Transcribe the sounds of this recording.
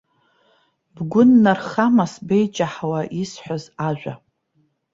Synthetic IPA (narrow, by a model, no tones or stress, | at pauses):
bɡʷʊnːarχamasbejt͡ʃʼaħawaʔisħʷᶣazaʒᶣʷa̰